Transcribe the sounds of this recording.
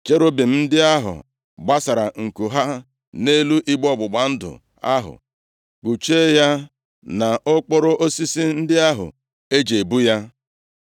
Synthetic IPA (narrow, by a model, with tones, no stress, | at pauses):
t͡ʃe˦ɾo˦bi˨m̩˦n̩˦dɪ˦a˦ɦʊ̰˨ | ɡ͡ba˦sa˨ɾa˨ŋ̩˨ku˨ɦa˦ | ne˦lu˦ʔi˦ɡ͡bɔ˦˨ɡ͡bʊ˨ɡ͡ba˨n̩˦dʊ̰˨ | a˦ɦʊ̰˨ | k͡pu˨t͡ʃe˦ja˦ | na˨ʔʊ˦k͡pʊ˦ɾʊ˦ʔo˦si˦si˦n̩˦dɪ˦a˦ɦʊ̰˨ | e˦d͡ʒe˨bu˦ja˦